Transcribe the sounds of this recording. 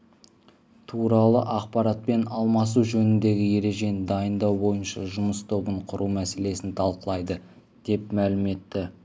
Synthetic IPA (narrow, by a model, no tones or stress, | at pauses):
t̪ʰuɾɑlˠəʔɑq̚pɑɾat̪̚pe̞nɑlˠmɑs̬uʒɵnɪnd̪e̞ɡʲɪje̞ɾe̞ʒe̞nd̪ɑjənd̪ɑwbo̞jənʃɑ̰ʒʊməst̪ʰo̞bəɴqʰʊɾumæse̞le̞sɪnt̪ʰɑlˠqəlˠɑjd̪ə | d̪̥e̞pmælɪme̞t̪ːɪ